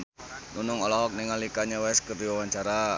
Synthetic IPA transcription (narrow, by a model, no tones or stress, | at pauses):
nunʊŋolɔɦɔk̚niŋalikaɲawɛskərdiwawaɲt͡ʃaɾa